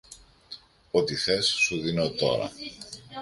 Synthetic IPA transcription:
ot̪iθesːuðinot̪o̞̰ɾɐ̰

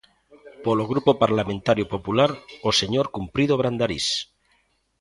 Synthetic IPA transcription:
poloɣ̞ɾupopaɾlamẽnt̪aɾjopopulaɾoseɲoɾkumpɾiðoβ̞ɾand̪aɾḭs

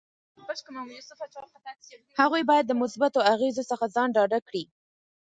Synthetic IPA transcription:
bʃksft͡ʃt̪ | haɣujbɑjad̪ːəmʊsbat̪oaɣezosəxazɑnɖɑɖakɽi

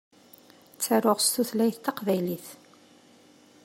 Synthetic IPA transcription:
t͡sːaɾoʁst̪uθlæjθt̪ːɑqvæjliθ

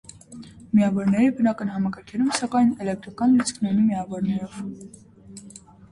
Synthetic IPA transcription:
miɑvɔɾnɛɾibənɑkənɦɑmɑkɑɾkʰɛɾumsɑkɑjnɛlɛk̚t̪ɾɑkɑnlut͡sʰkʰnɔnimiɑvɔɾnɛɾɔv̥

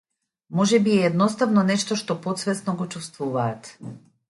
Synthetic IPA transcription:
mɔʒɛbiɛɛd̪nɔst̪avnɔnɛʃt̪ɔʃt̪opot̪svɛsnɔɡot͡ʃust̪vuvaːt̪

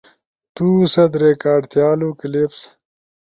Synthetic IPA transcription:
t̪uːsɐd̪ɾekaːɖt̪jaːlukɪleps

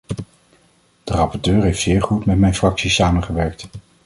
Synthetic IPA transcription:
d̥ərɑpɔɹtøːɹɦejftsɪːɹχutmɛtmɛjnfrɑksisaːmənχəʋɛɹk̚t

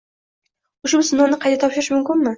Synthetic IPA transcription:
ʊʃʊbsʊnownɪqʰɑjt̪at̪ʰɒpʃɪɾɪʃmʊmkʲɪnmɪ

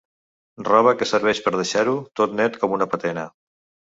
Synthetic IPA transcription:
rɔβ̞əkəsəɾβ̞ɛʃpəɾð̞əʃaɾut̪ot̪nɛt̪kɔmunəpət̪ɛnə

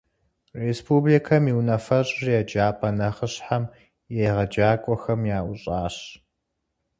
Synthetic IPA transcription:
respʰublikʰɐmiwnɐfɐɕʼrjɛd͡ʒaːpʼɐnɐχəɕħam | jejʁɐd͡ʒaːkʷʼɔxɐmjaːʔʊɕʼaːɕ

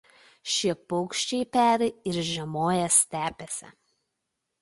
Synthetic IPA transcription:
ʃʲiɛpɔʊkʃʲt͡ʃʲɛɪpʲæːɾʲɪɪɾʒʲɛmoːjɛsʲt̪ʲæːpʲɛsʲɛ̰

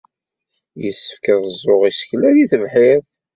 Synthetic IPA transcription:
jəsːə̥fkəðˤəzˤːoʁisə̥klæðiθəvħɪðˤ

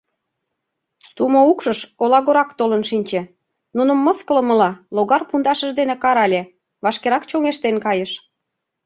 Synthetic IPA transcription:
t̪umoukʃəʃolɑɣoɾɑkt̪olənʃinʲt͡ɕĕ | nunə̆mːəskələ̆mə̆lɑloɣɑrpund̪ɑʃə̆ʒd̪enekɑɾɑlʲe | βɑʃkeɾɑkt͡ɕoŋeʃt̪enkɑjəʃ

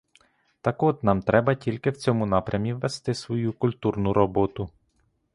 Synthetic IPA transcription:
t̪ɐkɔt̪nɑmt̪ɾɛbɐtʲilʲkɪwt͡sʲɔmʊnɑpɾʲʔɐmʲiʋːest̪ɪsʋɔjukʊlʲt̪urnʊɾɔbɔt̪ʊ

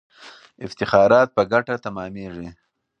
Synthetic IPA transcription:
ɪft̪ɪxɑɾɑt̪̚pəɡaʈat̪amɑːmeʐi

